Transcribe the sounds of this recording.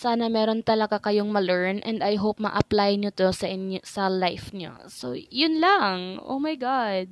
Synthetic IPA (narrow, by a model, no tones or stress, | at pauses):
saːnɐmɛːɾo̞nt̪ɐlɐɡakɐjoŋmɐlɛɹnʔɛnd̪ɐjɦop̚mɐ̰ʔɐplajɲot̪o̞sɐʔɪnosɐlajfɲo̰ | so̰jʊnlɐŋʔo̰wmɐjɡad̪̚